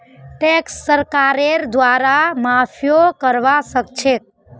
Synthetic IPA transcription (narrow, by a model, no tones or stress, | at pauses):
ʈeksːəɾkaɾeɾd̪ʋaɾamapʰijokəɾʋasək̚t͡ʃʰek̚